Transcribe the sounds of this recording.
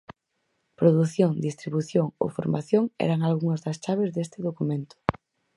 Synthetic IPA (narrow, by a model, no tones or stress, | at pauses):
pɾoðuθjoŋd̪ist̪ɾiβuθjoŋo̰fo̰ɾma̰θjoŋɛ̰ɾɐŋalɣuŋɐzðɐst͡ʃaβ̞ɪzðest̪ɪðokumẽnt̪ʊ̥